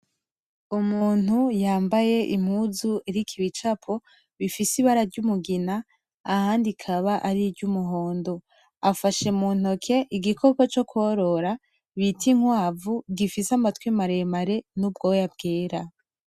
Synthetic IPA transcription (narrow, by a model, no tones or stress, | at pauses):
umuːn̥ujaːmbaje̞ʔim̥huzueɾikʰiβit͡ʃapʰo | βifisiβaɾaɾɟumuɡinaː | haːndikʰaβaʔaɾiɾɟumuɦo̞ːndo̞ | afaʃe̞mun̥okʰe̞ʔiɡikʰo̞kot͡ʃo̞kwoɾo̞ɾa | βitiŋwaːvuɡifisamatwimaɾemaɾe̞nub̚ɡo̞jab̚ɡeːɾa